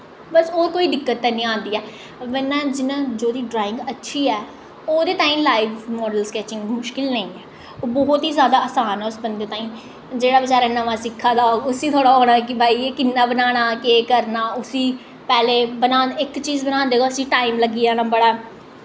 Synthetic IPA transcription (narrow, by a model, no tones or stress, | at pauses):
bəsoːkoːiːd̪ɪkːət̪ːɛːnĩːãːnd̪iːɛː | ʋɛnːãːd͡ʒɪnãːd͡ʒoːd̪iːɖɾaːɪ̃ŋɡətːʃʰiːɛː | oːd̪eːt̪ãːĩːlaːiʋmɔːɖəlskɛːt͡ʃɪ̃ŋɡmʊʃkɪlnəĩːɛː | oːbɔɦʊt̪iːzjaːd̪aːəːsaːnɛːʊsbənd̪eːt̪ãːĩː | d͡ʒeːɽaːbɪt͡ʃaːɾaːnəʋãːsɪkʰːaːd̪aːoʊsĩːt̪ʰoːɽaːɦoːɽ̃aːkɪbʱaːiːekɪnːaːbənaːɽ̃aːkeːkəɾnaːʊsĩː | pɛːleːbənãːɪkt͡ʃiːzbənãːnd̪eːɡaːsĩːʈaːimləɡiːaːnaːbəɽaː